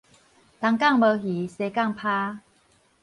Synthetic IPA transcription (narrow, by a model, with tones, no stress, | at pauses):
t̪a˨˧ŋka˥˨ŋbə˨˧˦ɦi˨˦se˨˧ka˥˨ŋpʰa˦